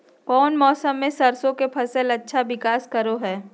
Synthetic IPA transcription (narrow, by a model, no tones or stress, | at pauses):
kɔːnmɔːsəmːẽsɐɾsõkepʰɐsəlɐtːʃʰaʋɪkaːskɐɾoɦɛː